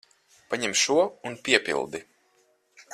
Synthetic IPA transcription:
paɲɛmʃuɔunpʲiɛpʲḭlˠd̪i

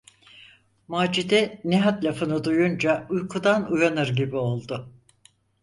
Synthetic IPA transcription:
maːd͡ʒid̪ɛniɦat̪lʲafɯnɯd̪ujund͡ʒaujkʰud̪anujanɯɾɟibio̞lˠd̪ʊ

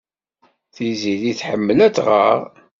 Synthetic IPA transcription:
θiziðiθħəmːəlæt͡sʁə̰ʁ

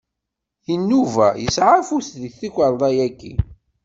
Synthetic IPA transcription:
jənːuvæjəsʕafusðəθikʷːəɾˤðˤɑjækːḭ

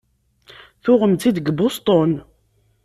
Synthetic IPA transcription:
θʊʁəmt̪id̪əɡbʊst̪ˤon

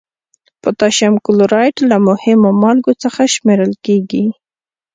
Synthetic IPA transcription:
pət̪ɑʃamkʊloɾɑjʈlamʊhɪmomɑlɡot͡səxaʃmeɾəlkeɡi

